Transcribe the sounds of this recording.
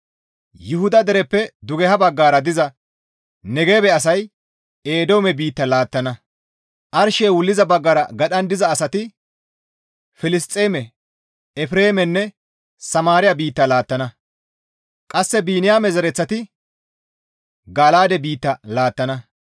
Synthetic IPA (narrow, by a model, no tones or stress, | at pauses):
jʊhʊd̪ɐd̪ɛɾɛpːɛd̪ʊɡɛhɐbɐɡːaːɾɐd̪ɪzɐ | nɛɡe̞ːbɛɐsɐj | eːd̪oːmɛbiːt̪ːɐlaːt̪ːɐnɐ | ʔɐɾʃeːwʊlːɪzɐbɐɡːaɾɐɡɐɗɐnd̪ɪzɐːsɐt̪ɪ | fɪlɪs̬t̪ʼːeːmɛ | ɛfɪɾe̞ːmɛnːɛ | sɐmaːɾɪjɐbiːt̪ːɐlaːt̪ːɐnɐ | kʼɐsːɛbiːnɪjaːmɛzɛɾɛt͡sːɐt̪ɪ | ɡaːlaːd̪ɛbiːt̪ːɐlaːt̪ːɐnɐ